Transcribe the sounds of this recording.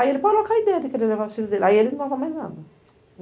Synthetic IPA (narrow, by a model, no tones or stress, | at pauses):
aielɪpɔd̪ɪlokaid̪ɛjɐd̪ɪkeɾelevaɾʊsilʊd̪elɪaielɪnɐ̃vamajznad̪ɐ